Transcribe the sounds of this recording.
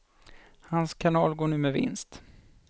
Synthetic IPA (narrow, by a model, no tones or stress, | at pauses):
hanskʰanɑːlɡoːɳʉ̟ːmɛvɪ̰nst̪